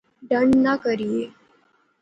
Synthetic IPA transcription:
ɖəɳnakəɾije

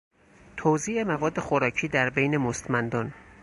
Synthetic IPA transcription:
t̪ʰoziːʔe̞mævɒːd̪ːe̞xoɾɒːcʰiːd̪æɾbejne̞most̪mænd̪ɒːn

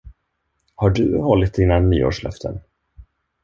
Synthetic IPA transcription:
haɖɵhɔlːɪt̪̚ːɪnːanːyːo̰ːʂlœ̰ft̪ʰə̰n

